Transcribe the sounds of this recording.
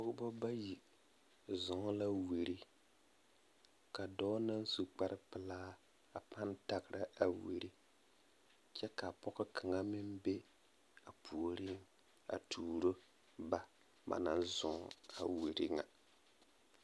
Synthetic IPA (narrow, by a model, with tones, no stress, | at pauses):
pʊ˦ɡbɔ˦ba˦ji˨ | zʊ˨ŋ˦la˦wi˨ɾi˦ | ka˨dɔː˦na˦n˦su˨k͡pa˦ɾɪ˦pɪ˨laː˦ | a˨pa˦nta˨ɡɪ˨ɾa˦a˨wḛ˨ɾi˦ | t͡ʃɛ˦ka˨pɔ˦ɣɪ˦kʰa˨ŋa˦mɪ˦mbe˦ | a˨pʰu˨o˨ɾi˦m | a̰˨tʰuː˨ɾo˦ | ba˦ | ba̰˨na˦nzʊ˨ŋ˦a˨we˨ɾi˦ŋa̰˨